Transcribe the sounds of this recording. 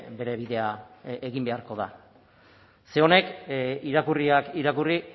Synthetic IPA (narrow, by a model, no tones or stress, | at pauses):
be̞ɾe̞β̞iðe̞aeɣimbe̞aɾko̞ð̞a̰ | se̞o̞ne̞kiɾakuriakiɾakuri